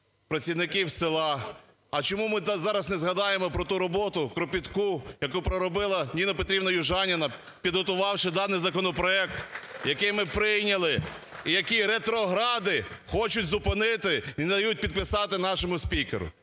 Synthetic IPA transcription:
pɾɐt͡sʲiwnɪkiwsɪlˠɑ | ɐt͡ʃɔmumɪzɑɾɐznɛzɦɐd̪ɑjemɔpɾɔt̪uɾɔbɔt̪ʊkɾɔpʲit̪kujɐkupɾɔɾɔbɪlˠɐnʲinɔpɔt̪ɾʲibnɔjʊʒɑnʲɪnɐ | pʲid̪ɦɔt̪ʊʋɑwʃɪd̪ɑnɪjzɐkɔnɔpɾɔɛkt̪jɐkɛjmɪpɾɪjnʲɐlˠɪ | ijɐkiɾet̪ɾɔɦɾɑd̪ɪxɔt͡ʃʊtʲzʊpɪnɪt̪ɪind̪ɐjut̚ʲpʲid̪̚pɪsɑt̪ɪn̪ɑʃɔmʊsʲpʲikḛɾʊ̰

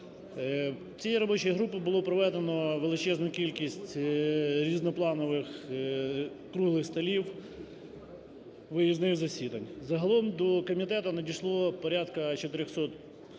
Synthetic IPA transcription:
t͡sʲijiɾɔbɔt͡ʃɔjiɦɾupɪbʊlˠɔpɾɔʋɛd̪enɔʋelˠɪt͡ʃɛznʊkʲilʲkʲisʲtʲ | ɾʲiznɔplˠɑnɔʋɪx | kɾuɦlˠɪxst̪ɐlʲiw | ʋɪjiznɪɣzɐsʲid̪ɐnʲzɐɦɐlˠɔmd̪ɔkɔmʲit̪ɛt̪ʊnɐdʲijʃlˠɔpɔɾʲat̪kɐt͡ʃɔt̪ɪɾʲɔxsɔt̪

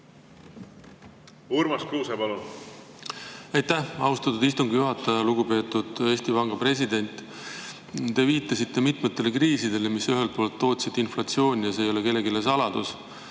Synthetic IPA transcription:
uɾmɑskɾuːsepɑlun | ɑjt̪æhɑust̪ɑt̪ːˑud̪is̬t̪uŋɡ̥juɦɑt̪ːˑɑjɑluɡupe̞ːt̪ːˑud̪̥e̞ːst̪ivɑŋɡ̥ɑpre̞s̬id̪e̞nʲt̪ːˑ | t̪e̞viːt̪ːˑɑsit̪ːe̞mit̪ˑmet̪ːˑe̞le̞kriːsid̪e̞le̞misyɦe̞lt̪̚poːlt̪ːo̞ːt̪ʲsit̪inflɑt̪sio̞ːnʲijɑseːjo̞le̞ke̞lːe̞ɡilesɑlɑd̪̥us

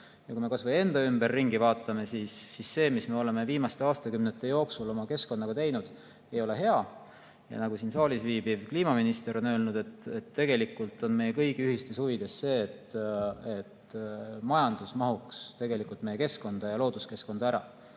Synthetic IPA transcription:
jɑkuijme̞kɑsvɤje̞nd̪̥ɑymb̥erːiŋɡivɑːt̪ːˑɑme̞siːsːisːe̞ːmisme̞o̞le̞meviːmɑst̪e̞ɑːst̪ɑkymnet̪ːˑe̞jo̞ːksulo̞mɑke̞sko̞nːɑɡ̥ɑt̪e̞jnud̪̥ | e̞jo̞le̞ɦe̞ɑ | jɑ̰nɑɡ̥usinsɑːlʲisviːbivkliːmɑminist̪e̞ɾo̞nø̞ːlnud̪̥e̞t̪ːˑet̪ːe̞ɡ̥e̞likːˑult̪ːˑo̞nme̞jekɤ̞jɡ̥iyhist̪e̞shuvid̪̥e̞sse̞ːt̪ːe̞t̪mɑjɑnd̪̥usmɑɦukst̪e̞ɡe̞likːˑult̪me̞je̞ke̞sko̞nd̪̥ɑjɑlo̞ːd̪uske̞sko̞nd̪ɑæɾɑ̰

